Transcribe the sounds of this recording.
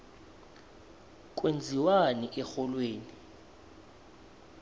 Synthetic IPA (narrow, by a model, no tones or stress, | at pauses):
k̬ʼwend͡zʱiwaniʔɛxɔlweːni